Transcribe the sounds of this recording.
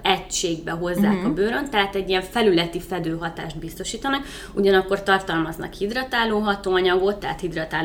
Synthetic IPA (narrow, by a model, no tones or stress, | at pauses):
ɛct͡ʃeːɡbɛɦo̞zːa̰ːkɒbøːɾø̞nt̪ɛɦaːt̪ɛɟːiɛɱfɛlylɛt̪ifɛd̪øːɦɒt̪a̰ːʃd̪bist̪o̞ʃiːt̪ɒnɒk | uɟɒnɒkːo̞rt̪ɒrt̪ɒlmɒznɒ̰khid̪rɒt̪aːloːɦɒt̪oːɒɲɒɡo̞t̪ːɛ̰ːt̪hid̪rɒt̪aːl